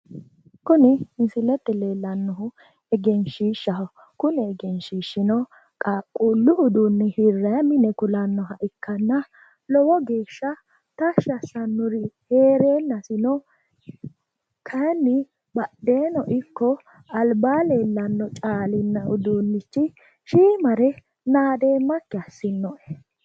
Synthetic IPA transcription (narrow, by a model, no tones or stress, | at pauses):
kʊnɪɪnsɪlːɛt̪ːɛle̞ːlːɐnːɔɦʊ | ɛɡɛnʃiːʃːɐh | kʊnɛɛɡɛnʃiːʃːɪnɔ | kʼaːkʼːuːlːʊʊd̪unːɪhɪɾːɐjɐmɪnɛkʊlɐnːɔɦɐʔɪkːɐnːɐ | lɔwɔɡe̞ːʃːɐ | t̪ɐʃɐsɐnːʊɾɪheːɾeːnːɐsɪnɔ | kʰɐnːɪ | bɐɗeːnɔʔɪkːɔ | ɐlbaːle̞ːlːɐnːɔt͡ʃʼaːlɪnːɐʊd̪unːɪt͡ʃːɪ | ʃiːmɐɾɛ | naːd̪e̞ːmːɐkːɪɐsːɪnːɔʔɛ̥